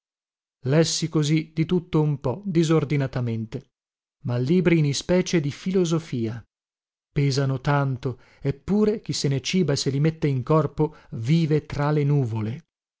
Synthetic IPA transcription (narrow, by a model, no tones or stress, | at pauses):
lɛsːikozid̪it̪ut̪ːoumpɔd̪izord̪inat̪ament̪e | malːiːbɾinispɛːt͡ʃed̪ifilozofiːa | pɛːzanot̪ant̪o | epːuːɾek̟isːenet͡ʃiːbaselimet̪ːeiŋkɔrpoviːvet̪ɾalenuːvole